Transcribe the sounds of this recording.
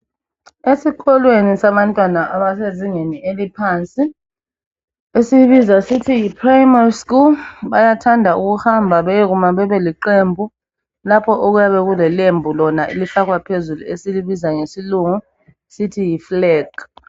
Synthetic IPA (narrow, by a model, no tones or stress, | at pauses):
esik̬ʰʼɔlwenisaɓantʼwanaʔaɓaseziŋenielipʰant͡sʼi | esiɓizasitʰijipʰrajmariskulɓajatʰandʱauk̬uhambʱaɓɛk̬umaɓɛɓɛliǃembʱu | lapʰɔʔok̬ujaɓɛk̬ulɛlembʱulɔnaʔilifak̬wapʰezulṵesiliɓizaŋesiluŋu | sitʰijiflɛːɡ̥